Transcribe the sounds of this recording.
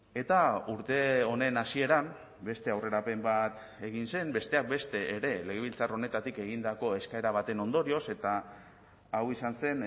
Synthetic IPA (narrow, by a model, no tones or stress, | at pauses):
e̞t̪auɾt̪e̞o̞ne̞nasie̞ɾam | be̞st̪e̞awre̞ɾape̞mbat̪ | e̞ɣinse̞mbe̞st̪e̞ak̚be̞st̪e̞ːɾe̞le̞ɣ̞e̞β̞ilt͡saro̞ne̞t̪at̪ike̞ɣ̞ind̪ako̞e̞skae̞ɾaβ̞at̪e̞no̞nd̪o̞ɾio̞se̞t̪aː | wisanse̞n